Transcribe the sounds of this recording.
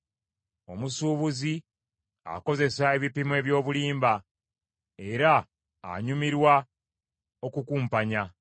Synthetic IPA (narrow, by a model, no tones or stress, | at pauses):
o̞̰musuːβuzi | a̰ko̞ze̞sae̞βipimwe̞ːβjo̞ːβuliːmba | e̞ɾa̰ː | ɲumiɾwa | o̞kukuːmpaɲa